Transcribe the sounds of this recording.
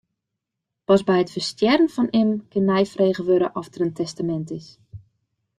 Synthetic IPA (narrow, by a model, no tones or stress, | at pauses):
pɔsbɛjətfərstjɛrənfɔnɪmkɪnmɛjfreːɣəʋøɾəʔɔftərəntʰɛstamɛntɪs